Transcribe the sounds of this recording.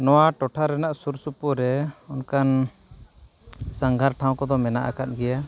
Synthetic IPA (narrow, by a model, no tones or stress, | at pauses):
nɔwaʈɔʈʰaɾɛnaʔsuɾsupuɾɛɔnkan | saŋɡʱaɾʈʰaw̃kɔd̪ɔmɛna̰ʔa̰kat̪̚ɡɛja